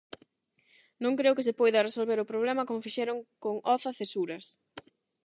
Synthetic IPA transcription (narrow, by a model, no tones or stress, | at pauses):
nõŋkɾewkɪs̬ɪpɔjðɐresolβeɾʊpɾoβ̞lɛmɐkomʊfiʃɛɾʊŋkoŋɔθɐθesuɾɐs